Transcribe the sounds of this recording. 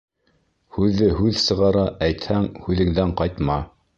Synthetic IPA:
hʉðːɘhʉðsɤ̆ʁɑɾɑʔæjt̪hæŋhʉðɘ̆ŋðæŋqɑjt̪mɑ

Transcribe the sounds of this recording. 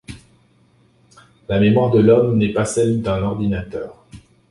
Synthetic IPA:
lamemwaʁd̪əlɔmnɛpasɛld̪ɛ̃nɔʁd̪inat̪œːʁ

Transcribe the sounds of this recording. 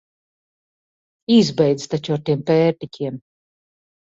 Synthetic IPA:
izbɛjd̪zt̪at͡ʃuaɾt̪iɛmpɛːɾt̪icʲʰiɛm

